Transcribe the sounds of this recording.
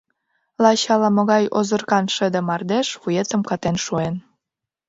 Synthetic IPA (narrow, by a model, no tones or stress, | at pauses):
lɑɕɑlɑmŏɣɑjozə̆rkɑnʃəd̪ĕmɑrd̪eʃβujet̪ə̆mkɑt̪enʃuen